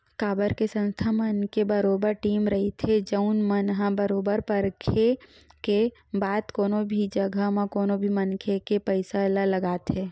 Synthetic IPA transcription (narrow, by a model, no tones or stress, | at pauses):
kaːbəɾkesə̃nst̪ʰamənkebəɾoːbəɾʈiːmɾəɦit̪ʰed͡ʒəʊnmənɦãbəɾoːbəɾpəɾkʰe | ke | baːd̪koːnobʱid͡ʒəɡʱəmãkoːnobʱimənkʰekepəɪsalələɡaːt̪ɦeː